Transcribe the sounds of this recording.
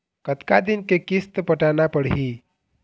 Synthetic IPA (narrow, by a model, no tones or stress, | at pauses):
kət̪kad̪inkekist̪pəʈanapəɽɦi